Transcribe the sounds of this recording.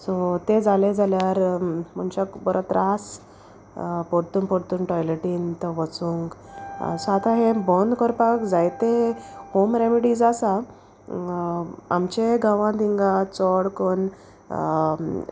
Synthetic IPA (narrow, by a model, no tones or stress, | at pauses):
sɔt̪ed͡zaled͡zʱaljaɾm̤əɳt͡ɕakbɔɾʔat̪ɾʔas | pɔɽt̪uːnpɔɽt̪uːnʈɔjleʈiːnt̪əʋət͡sũŋɡ̰sat̪ʰaɦẽbɔnd̪kɔɾpakd͡zajt̪ehomɾemiɽid͡zasa | a̰mt͡ɕeɡãʋãd̪iŋɡat͡sɔɽkɔn